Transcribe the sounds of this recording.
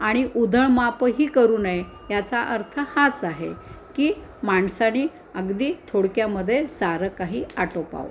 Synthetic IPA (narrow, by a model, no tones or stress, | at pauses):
aɽ̃iʔud̪ʱəɳmapɦiːkəɾuːnəe | jat͡saʔəɾt̪ʰəhat͡saɦḛ | kiːmaɳsaniː | əɡd̪iːt̪ʰoɽkjaməd̪ʱːjesaɾəkaɦiːaʈopa̰ʋ̰